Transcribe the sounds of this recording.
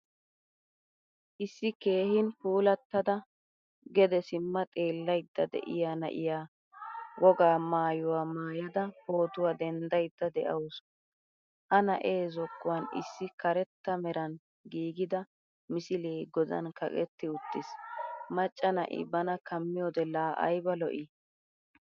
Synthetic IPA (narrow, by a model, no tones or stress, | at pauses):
ʔɪsːɪke̞ːhɪnpuːlɐt̪ːɐd̪ɐ | ɡɛd̪ɛsɪmːɐt̪ʼe̞ːlːɐjd̪̥ːɐd̪ɛ̰ʔɪ̰jaːnɐ̰ʔɪjaː | wɔɡaːmaːjʊwaːmaːjɐd̪ɐho̞ːt̪ʊwaːd̪ɛnd̪ɐjd̪ːɐd̪ɛʔɐws | ʔɐnɐʔe̞ːzɔkːʊwɐnɪ̰sːɪkɐɾɛt̪ːɐmɛɾɐn | ɡiːɡɪd̪ɐ | mɪsɪleːɡɔd̪ɐ̰nkɐ̰kʼɛ̰t̪ːɪʊt̪ːɪsmɐt͡ʃʼːɐnɐ̰ʔɪ̰bɐnɐkɐmːɪjɔd̪ɛlaːʔɐ̰jbɐlɔ̰ʔɪ